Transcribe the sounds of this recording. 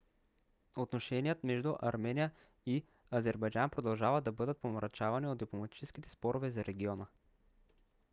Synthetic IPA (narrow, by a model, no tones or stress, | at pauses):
ot̪noʃɛnijət̪mɛʒd̪ʊʔɐɾmɛnijə | i | ɐzɛɾbɐjd͡ʒanpɾod̪ɐlˠʒavəd̪ɐbɤd̪ət̪̚pomɾʔɐt͡ʃavɐniod̪̚d̪iplˠomɐt̪i̥t͡ʃɛsk̟it̪ɛ̥spɔɾovɛzɐɾʔɛɡʲiɔnə